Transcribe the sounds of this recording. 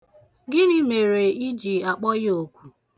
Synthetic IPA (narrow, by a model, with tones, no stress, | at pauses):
ɡɪ˦ni˦me˨ɾe˨i˦d͡ʒi˨a˨k͡pɔ˦jɪ˦o˦˨kʷu˨